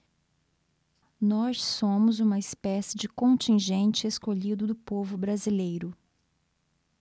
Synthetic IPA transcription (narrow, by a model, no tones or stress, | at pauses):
nɔsːõmʊzũmɐɪspɛsɪd͡ʒɪkõnt͡ʃĩʒẽnt͡ʃɪeskoʎid̪ʊd̪ʊpovʊbɾazilejɾʊ